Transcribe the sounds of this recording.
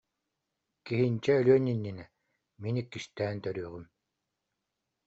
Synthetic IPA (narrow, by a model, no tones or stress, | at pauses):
kiɦint͡ɕɛːlyœninːinɛ | minikːiʃt̪æːnt̪œɾyːʁym